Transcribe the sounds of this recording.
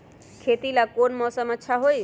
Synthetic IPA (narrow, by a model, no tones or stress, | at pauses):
kʰet̪ilakonmɔːsəmətːʃʰaɦoi